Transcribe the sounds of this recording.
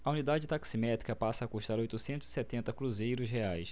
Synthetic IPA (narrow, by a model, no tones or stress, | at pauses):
ɐunid̪ad͡ʒɪt̪aksimɛt̪ɾikɐpasɐːkuʃt̪aɾojt̪ʊsẽnt̪ʊz̥isɛt̪ẽnt̪ɐkɾuzejɾʊzɦeajs